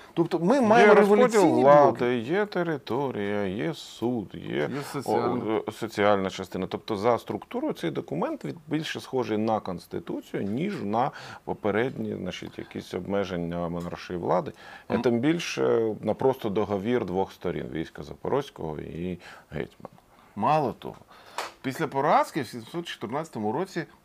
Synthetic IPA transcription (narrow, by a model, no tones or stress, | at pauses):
t̪ɔpt̪ɔmɪmmɑjɪɛɾɔʋlɔd̪ʲilˠʋlˠɑd̪ɪjɛt̪eɾɪt̪ɔɾʲijɐjɛsud̪jɛ̰ | sɔt͡sʲiɑlʲnɐt͡ʃɐst̪ɪnɐt̪ɔp̚t̪ɔzɐst̪ɾʊkt̪uɾʊjʊt̪sɛjd̪ɔkʊmɛnt̪ʋʲid̪bʲilʲʃɛsxɔʒejnɐkɔnst̪ɪt̪ut͡sʲijʊnʲiʒnɐpɔpeɾɛdʲnʲiznɑt͡ʃḭt̪ʲjɐ̰kʲisʲɔbmɛʒenʲːɐmɔnɑrʃɔjiʋlˠɑd̪ɪɛ̰t̪ɪmbʲilʲʃɛ̰nɐpɾɔst̪ɔd̪ɔɦɔʋʲird̪ʋɔxst̪ɔɾʲḭnʋʲḭjsʲkɐzɐpɔ̰ɾʔɔsʲkɔɦɔ̰iiɦɛ̰jt̪ʲmɐ̰n | mɑlˠɔt̪ɔ̰ɦɔpʲisʲlʲɐpɔɾaskʲiwsʲisʲmsɔt̪t͡ʃɔ̥t̪ɪrnɑt͡sʲɐt̪ɔmʊɾɔt͡sʲi